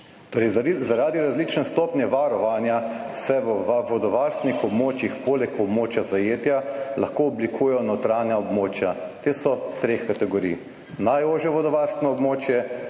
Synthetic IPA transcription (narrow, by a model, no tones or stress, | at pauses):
t̪oːɾɛɪjzaɾaːd̪iɾazliːt͡ʃnɛst̪ɔːpnjɛʋaɾɔʋanja | sɛʋəʋaʋɔd̪ɔʋaːɾst̪nixɔbmoːt͡ʃjixpoːlɛkɔbmoːt͡ʃjazajeːt̪jalaxkoɔblikʰuːjɛjɔnɔt̪ɾaːnjaɔbmoːt͡ʃjat̪eːsɔt̪ɾexkat̪ɛɡɔɾḭːj | najoːʒjɛʋɔd̪ɔʋaɾst̪nɔɔbmoːt͡ʃjɛ